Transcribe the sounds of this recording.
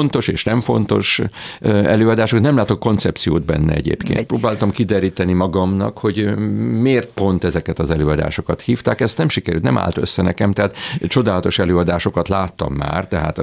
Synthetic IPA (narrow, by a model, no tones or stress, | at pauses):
nt̪o̞ʃeːʃnɛɱfo̞nt̪o̞̰ʃ | ɛløːɒd̪aːʃokt̪nɛmlaːt̪okkont̪sɛp̚t̪sijo̰ːd̪̚bɛ̰nːɛ̰ɛɟḛːpkḛːnproːbaːlt̪ɒmkid̪ɛɾiːt̪ɛnimɒɡɒmnɒ̰kho̞ɟmeːrt̪̚po̞nt̪ɛzɛkɛt̪ɒzɛløːɒd̪a̰ːʃo̞kɒt̪hiːft̪aːkɛst̪nɛmʃikɛɾy̰lt̪nɛ̰mʔa̰ːlt̪øsːɛnɛkɛmt̪ɛɦaːt̪t͡ʃo̞d̪aːlɒt̪o̞ʃɛløːɒd̪aːʃo̞kɒt̪laːt̪ːɒ̰mːa̰ːrt̪ɛɦa̰ːt̪